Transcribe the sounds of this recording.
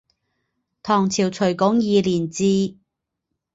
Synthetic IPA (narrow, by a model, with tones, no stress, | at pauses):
t̪ʰɔː˨˩ŋt͡sʰiː˨˩wt͡sʰɵ˨˩ɥkɔː˨˥ŋjiː˨˧liː˨˩nt͡siː˧